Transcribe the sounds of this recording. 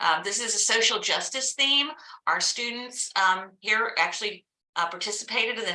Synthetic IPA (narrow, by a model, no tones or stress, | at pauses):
ʔðɪsɨzɨsoʊʃl̩ˠd͡ʒʌstɨsθĩmʔaʊə˞stʉdⁿn̩tshiɹæk̚t͡ʃʉl̩ˠi | ʔpʰɑɹtʰɪsəpʰeɪɾɨɾɨ̃nɨ